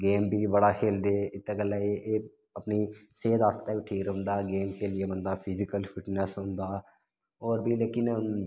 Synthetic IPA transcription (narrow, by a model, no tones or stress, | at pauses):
ɡeːmbʱiːbəɽaːkʰeːld̪eːɪt̪ːeɡəlaːeː | əpniːseːd̪aːst̪aːʋiːʈʰiːkɾəɦʊ̃nd̪aːɡeːmkʰeːlɪeːbənd̪aːpʰɪzɪkəlpʰɪʈnəsɦʊ̃nd̪aː | ɔːɾbʱiːleːkɪn